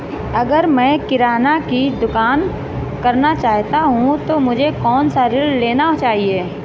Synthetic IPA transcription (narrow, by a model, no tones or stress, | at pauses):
ɐɡəɾmɛ̃ːkɪɾaːnakid̪ʊkaːn | kɐɾnat͡ʃaːɦt̪aɦũt̪omʊd͡ʒʱekɔːnsaɾɪlleːnat͡ʃaːɦieː